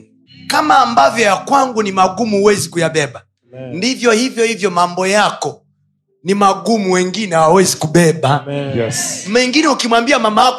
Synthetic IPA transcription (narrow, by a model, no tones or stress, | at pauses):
kamaːmbavjɔjakwaŋɡunimaɡumuːwɛzikujaɓɛba | ndivjɔhivjɔhivjɔmambɔjakɔ | nimaɡumuwɛŋɡinɛwawɛzikubɛba | mɛŋɡinɛukimwambiamama